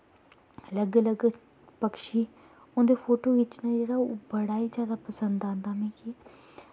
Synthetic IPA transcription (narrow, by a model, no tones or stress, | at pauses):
ələɡələɡ | pəkʃiː | ʊ̃nd̪eːpʰoːʈoːʋɪt͡ʃnãːd͡ʒeːɽaːobəɽaːiːd͡ʒjaːd̪aːpəsənd̪ãːnd̪aːmɛ̃ːkiː